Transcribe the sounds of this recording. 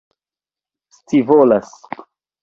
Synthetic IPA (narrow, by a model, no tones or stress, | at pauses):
st͡sivolas